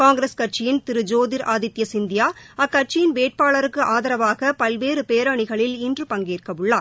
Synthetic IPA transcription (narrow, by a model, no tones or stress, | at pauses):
kaːŋɡɾeskɐʈ̚t͡ʃɪjɪnt̪ɪɾɯd͡ʒoːðɪɾʔaːðɪt̪ːjɐsɪnd̪ɪjaːɐkːɐʈ̚t͡ʃɪjɪnʋeːʈ̚paːɭɐɾɯkːɯʔaːðɐɾɐʋaːɣɐpɐlʋeːɾɯpeːɾaːɳɪɣɐɭɪlɪndrɯpɐŋɡeːrkɐʋɯɭːaː